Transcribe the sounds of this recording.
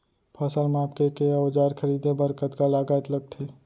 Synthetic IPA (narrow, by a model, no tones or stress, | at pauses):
pʰasəlmaːpkekeaod͡ʒaːɾkʰəɾiːd̪ebəɾkət̪kalaːɡaːt̪ləɡ̚t̪ʰe